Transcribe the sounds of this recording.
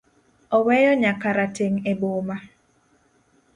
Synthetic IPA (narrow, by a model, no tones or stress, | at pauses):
ɔwɛjɔɲakaɾateŋeboma